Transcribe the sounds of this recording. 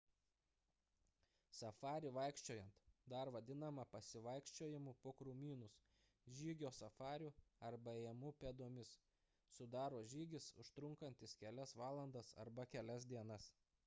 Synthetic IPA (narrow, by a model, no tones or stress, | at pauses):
sɐfɑːɾʲɪʋɐɪkʃʲt͡ʃʲoːjɛnt̪d̪ɐˑɾʋɐd̪ʲɪnɐmɐpɐsʲɪʋɐɪkʃʲt͡ʃʲoːjɪmupoːkɾʊmʲiːnʊs | ʒʲiːɡʲoːsɐfɑːɾʲuɐɾbɐejɛmuːpʲeːd̪oɔmʲɪs | sʊd̪ɑːɾoːʒʲiːɡʲɪsʊ̰ʃt̪ɾʊŋkɐnʲt̪ʲɪskʲɛlʲɛsʋɑːlˠɐnd̪ɐsɐ̰ɾbɐkʲɛlʲɛs̬d̪ʲiɛnɐs